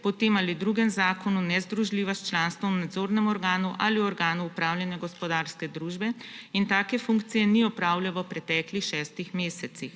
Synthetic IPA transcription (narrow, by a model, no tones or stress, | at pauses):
pɔt̪emalid̪ɾuɡɛmzaːkɔnunɛzd̪ɾuʒliːʋast͡ʃlaːnst̪ʋɔnad̪zoːɾnɛmɔɾɡaːnuʔaliɔɾɡaːnuupɾaːwljɛnjaɡɔspɔd̪aːɾskɛd̪ɾuːʒbɛint̪aːkɛfuŋkt̪sijɛniɔpɾaːwljaʋəpɾɛt̪ɛːklixʃɛːst̪ixmeːsɛt̪six